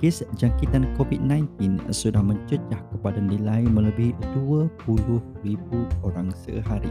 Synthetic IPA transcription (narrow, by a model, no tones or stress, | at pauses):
kɪsd͡ʒaŋkit̪ankofit̪̚nãjnt̪ɪnsudahmə̃ɲt͡ʃət͡ʃahkəpadanilajmə̃ləbɪhd̪uəpulʊhribuoɾaŋsə̰ɦaɾi